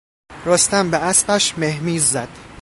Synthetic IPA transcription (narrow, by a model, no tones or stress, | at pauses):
ɾɒːst̪æmbeæspæʃmehmiːzːæd̪̥